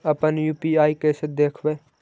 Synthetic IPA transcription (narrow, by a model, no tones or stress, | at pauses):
əpənjuːpiaːikeːsed̪eːkʰʋeː